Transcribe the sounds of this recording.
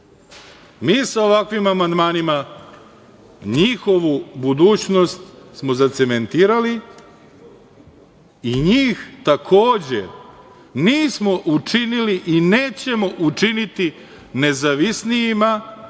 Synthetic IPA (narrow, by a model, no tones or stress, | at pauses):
miːsao̞ʋakʋimamand̪maːnima | ɲiːxo̞ʋubud̪uːt͡ɕno̞st̪smo̞zat̪se̞me̞nt̪iːɾali | iɲiːxt̪akʰo̞ːd͡ʑe̞̰ | niːsmo̞ʔut͡ʂiniliʔineːt͡ɕe̞mo̞ʔut͡ʂinit̪i | ne̞zaʋisnijima